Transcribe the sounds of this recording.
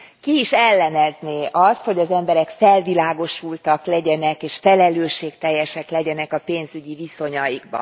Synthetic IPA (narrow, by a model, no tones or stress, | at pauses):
kiiʃɛlːɛnɛzneːʔɒst̪ho̞ɟɒzɛmbɛɾɛkfɛlvilaːɡo̞ʃult̪ɒklɛɟɛnɛkeːʃfɛlɛløːʃːeːkt̪ɛjːɛʃɛklɛɟɛnɛkɒpeːnzyɟiviso̞ɲɒjiɡbɒ̰